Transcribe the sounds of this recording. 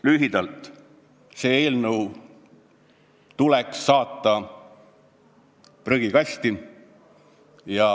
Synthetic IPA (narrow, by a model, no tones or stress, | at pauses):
lyɦid̪ɑlt̪ˑ | se̞ːeːlnəw | t̪uleksːɑːt̪ːˑɑ | prøɡ̥ikɑsʲt̪i | jɑ